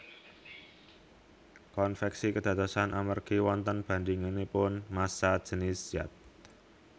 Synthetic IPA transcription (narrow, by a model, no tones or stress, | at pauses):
kɔnfɛksikəd̪̥ä̤t̪usanʔamərɡ̥iwɔnt̪ənb̥a̤nd̪iŋenepʊnmasḁd͡ʒ̥ə̤nɪsjat̪̚